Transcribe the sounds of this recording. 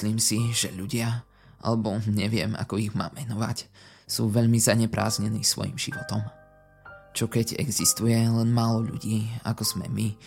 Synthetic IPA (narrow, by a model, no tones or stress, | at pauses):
liːmsiʒɛʎuɟɪa | ʔa̰lɛbɔɲɛʋɪɛ̰ma̰kɔiɣma̰ːmːɛnɔʋa̰c | suːʋɛʎmizaɲɛpɾa̰ːzɲɛniːsʋɔ̰jḭmʒḭʋɔt̪ɔm | t͡ʃɔkɛɟɛ̰ɡzist̪ujɛlɛnmaːlɔʎṵɟiːa̰kɔz̥mɛ̰mi